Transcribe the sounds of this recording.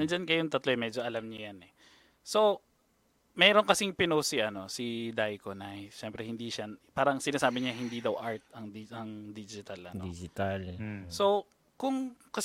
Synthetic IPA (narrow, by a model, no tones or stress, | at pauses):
nɐd͡ʒɐnkɐjoŋt̪ɐt̪loʔɛmɛːd͡ʒoʔɐlamɲɐjanɛ | so̞ | mɛːɾoŋkɐsɪŋpɪnosiʔɐno̞sɪd̪ajkonajʃɛmpɾɛhɪnd̪iʃɐpaːɾɐŋsɪnaːsaːbɪɲɐɦɪnd̪id̪ɐwʔaɹt̪̚ɐŋiɐŋd̪id͡ʒɪt̪ɐlʔɐ̰nd̪id͡ʒɪt̪also̞ | kʊŋkɐs